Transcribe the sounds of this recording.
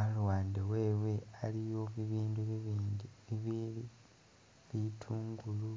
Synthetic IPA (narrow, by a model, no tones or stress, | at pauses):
alwaːndewe̞ːwe̞alijo̞βiβiːndu | iβili | βitʰuːŋɡulu